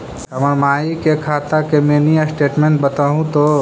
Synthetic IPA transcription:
əməɾmaːikekʰaːt̪akemẽːnijasʈeːʈmẽɳʈ̚bət̪aːɦũt̪o

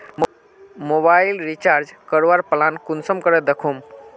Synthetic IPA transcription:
m | mobailɾit͡ʃaɾd͡ʒkəɾʋaɾpəlankunsəmkəɾɛd̪ekʰum

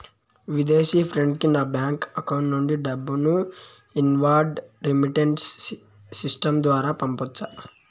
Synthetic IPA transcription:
ʋid̪eːsiːpʰɾeɳɖkinaːbjaːŋkɐkɐwɳʈnuɳɖiɖɐbːunu | inʋaːɖɾimiʈeɳʈsː | isʈɐmd̪ʋaːɾaːpɐmpɔt͡ʃːa

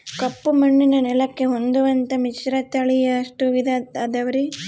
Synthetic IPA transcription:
kɐpːumɐɳːinɐnɛlɐkːeɦond̪uʋɐnt̪ɐmit͡ʃɾɐt̪ɐɭijɐːʂʈuʋid̪ɐt̪ɐd̪ɐʋɐɾi

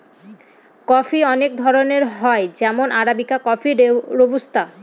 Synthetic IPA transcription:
kɔfiɔnek̚d̪ʱɔɾoneɾɦɔed͡ʑɛmonʔaɾabikakɔfiɾeɾobust̪a

